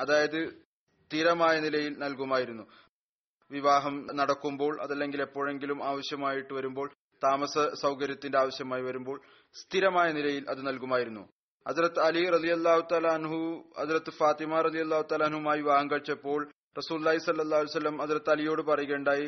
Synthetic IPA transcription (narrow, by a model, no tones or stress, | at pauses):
ɐðaːjɐðɨ | t̪iɾɐmaːjɐnilɐjilnɐlkumaːjiɾunːu | ʋiʋaːɦɐmnɐɽɐkːumbo̞ːɭʔɐ̰ðɐlːe̞ŋɡile̞pːo̞ːɻe̞ŋɡilumaːʋɐɕjɐmaːjiʈːɨʋɐɾumbo̞ːɭ | t̪aːmɐsɐsɐwkɐɾjɐt̪ːindeaːʋɐɕjɐmaːjiʋɐɾumbo̞ːɭ | st̪ʰiɾɐmaːjɐnilɐjilʔɐðɨnɐlkumaːjiɾunːu | hɐd̪ɾɐt̪ːɨɐlirɐðijɐlˠːaːhut̪aːlanɦuhɐd̪ɾɐt̪ːɨfaːt̪imɐrɐðijɐlːaːhut̪aːlaːnhumaːjʋiʋaːɦɐmkɐɻit͡ɕːɐpːo̞ːɭ | rɐsuːɾulːaːɦisɐlːɐlːaːlsɐlːɐmɐðrɐt̪ːɐlijo̞ːɽɨpɐrɐjue̞ːɳɖaːji